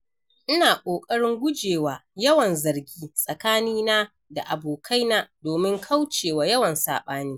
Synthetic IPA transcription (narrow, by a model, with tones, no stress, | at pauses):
ʔɪ˦naː˨kʷʼoː˨kʼɐ˦ɽɪ˦ŋɡʷʊ˦d͡ʒeː˨waː˨jɐ˦wɐ˨nzɐ˨rɡʲiː˦sʼɐ˨kaː˦niː˦naː˦ | da̰˨ʔa˨boː˨kʰa˦jnaː˦doː˨mɪ˦ŋkʰa˦wt͡ʃeː˨waː˨jɐ˦wɐ˨nsa̰ː˨ɓaː˦niː˦